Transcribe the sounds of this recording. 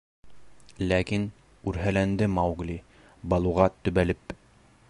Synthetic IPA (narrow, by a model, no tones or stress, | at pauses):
lækin | ʉɾɦælænd̪ɘmɑwɡlʲi | bɑlˠuʁɑt̪ɵ̆βælɘp